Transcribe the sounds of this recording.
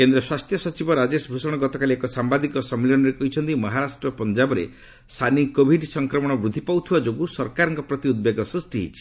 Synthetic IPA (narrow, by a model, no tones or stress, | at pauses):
kend̪ɾɔswast̪ʰjɔsɔt͡ʃibɔɾad͡ʒesɔbʱusɔɽ̃ɔɡɔt̪ɔkaliekɔsambad̪ikɔsɔmːelɔñɔɾekɔɦit͡ʃʰɔnt̪imɔɦaɾasʈɾɔpɔnd͡ʒabɔɾḛ | st̪ʰanikobʱiɖsɔŋkɾɔmɔɽ̃ɔbɾud̪ʱːipawt̪ʰiwad͡ʒoɡusɔɾkaɾɔŋkɔpɾɔt̪iud̪̚beɡɔsusʈiɦḭt͡ʃʰi̥